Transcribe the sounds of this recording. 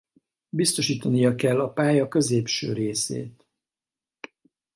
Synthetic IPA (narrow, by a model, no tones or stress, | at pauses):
bist̪o̞ʃiːt̪ɒnijɒkɛlːɒpaːjɒkø̞zeːpʃø̰ːɾeːsḛːt̪